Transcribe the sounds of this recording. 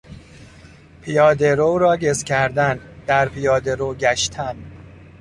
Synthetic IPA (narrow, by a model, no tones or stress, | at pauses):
pʰijɒːd̪eɾoɾɒːɟescʲʰæɾd̪ænd̪̥æɾpʰijɒːd̪eɾoɟæʃt̪ʰæn